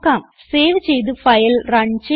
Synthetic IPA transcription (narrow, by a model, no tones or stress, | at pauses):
kːaːm | seːʋɨt͡ɕejt̪̬ɨfɐjlrɐɳt͡ɕe